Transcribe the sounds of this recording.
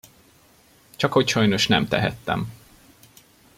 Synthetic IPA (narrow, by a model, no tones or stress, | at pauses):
t͡ʃɒkho̞cʃɒjno̞ʃnɛmt̪ɛ̰ɦɛ̰t̪ːɛ̰m